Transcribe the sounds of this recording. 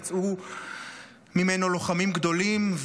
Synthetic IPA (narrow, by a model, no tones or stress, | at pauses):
t͡su | mimeno̞lo̞χamimɡd̪o̞limv